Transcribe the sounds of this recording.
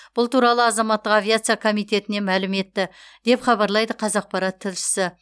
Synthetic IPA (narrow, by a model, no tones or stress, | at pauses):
b̥ʊlˠt̪uɾɑlˠəɑzɑmɑt̪ːəqavʲijat̪sɨjakʰo̞mijt̪e̞t̪ɪne̞mælɪme̞t̪ːɪd̪e̞pχɑβɑɾlˠɑjd̪əqʰɑzɑq̚pɑɾɑt̪ʰːɪlʃɪ̥sɪ